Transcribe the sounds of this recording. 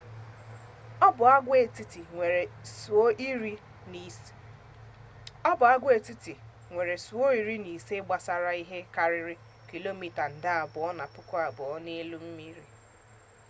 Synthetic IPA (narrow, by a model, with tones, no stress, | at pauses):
bʊ˨a˦ɡʷe˨i˦i˨e˨˦ | i˦ɾi˦ | ɔ˦bʊ˨a˦ɡʷe˨ti˦ti˨ | ŋʷe˨ɾe˨su˨o˦i˨ɾi˦ni˨se˦ɡ͡ba˨sa˨ɾa˦i˦ɦe˦ka˨ɾɪ˦ɾɪ˦ | ki˨lo˦mi˨ta˨n̩˨da˦a˨bʊ˨ɔ˦na˨pʊ˦kɔ˦a˨bʊ˨ɔ˦ne˦lu˦m̩˦mi˦ɾi˦